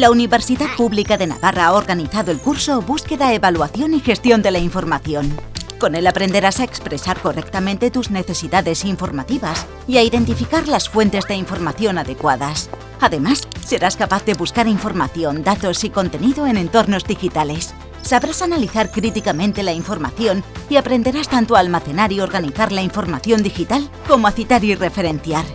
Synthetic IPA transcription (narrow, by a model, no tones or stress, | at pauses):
launiβe̞ɾsiðapuβlikaðe̞na̰βaraao̞ɾɣaniθaðo̞e̞lkuɾso̞buske̞ðaeβalwaθjo̞nixe̞st̪jo̞nd̪e̞laiɱfo̞ɾmaθjo̞nko̞ne̞lapɾe̞nd̪e̞ɾasaekspɾe̞saɾko̞rek̚t̪amẽnt̪e̞t̪uzne̞θe̞siðaðe̞siɱfo̞ɾmat̪iβas | iaiðe̞nt̪ifikaɾlasfwe̞nt̪e̞zðe̞iɱfo̞ɾmaθjo̞naðe̞kwaðas | aðemasːe̞ɾaskapaθðe̞βuskaɾiɱfo̞ɾmaθjo̞nd̪at̪o̞siko̞nt̪e̞niðoe̞nẽ̞nt̪o̞ɾno̞zðixit̪ale̞sː | aβɾasanaliθaɾkɾit̪ikamẽ̞nt̪e̞laiɱfo̞ɾma̰θjo̞niapɾe̞nd̪e̞ɾast̪ant̪oaːlmaθe̞naɾio̞ɾɣaniθaɾlaiɱfo̞ɾmaθjo̞nd̪ixit̪alko̞moaθit̪aɾire̞fe̞ɾe̞nθjaɾ